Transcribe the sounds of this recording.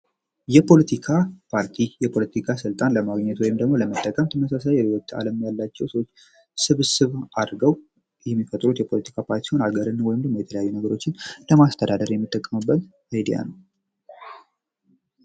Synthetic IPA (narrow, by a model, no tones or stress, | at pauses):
jɛpʰo̞lət̪ʰikʰapʰaɾt̪ʰijɛpʰo̞lət̪ʰikʰasɨlt̪ʼanləmaɡɲːɛt̪wɔjɪmd̪əɡmo̞ləmət̪ʼːəkʼəmt̪ʰəməsasajɛewɔt̪ʼa̰ləmjalːat͡ʃːɛwsəwot͡ʃː | sɨβsɨβʔad̪ɾɡəw | jɛmːifət̪ʼɾut̪jɛpʰo̞lət̪ʰi̥kʰapʰaɾt̪isi̥ho̞naɡəɾɨnwɔjɪmd̪əmːo̞jɛt̪ʰələjajːunəɡəɾo̞t͡ʃːɪnləmast̪ʰəd̪ad̪əɾjɛmːɨt̪ʼːəkʼːəmɨbːət̪ | ajd̪ija̰nəw